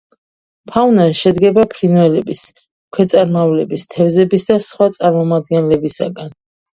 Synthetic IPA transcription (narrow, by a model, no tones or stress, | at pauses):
pʰawnaʃɛd̪ɡɛbapʰɾinwɛlɛbis | kʰwɛt̪sʼaɾmavlɛbist̪ʰɛvzɛbisd̪asχwat̪sʼaɾmɔmad̪ɡɛnlɛbisa̰ɡan